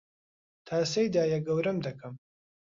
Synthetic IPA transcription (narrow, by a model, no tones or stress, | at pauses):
t̪ʰaːsejd̪aːjɐɡɐwɾɐmd̪ɐkɐm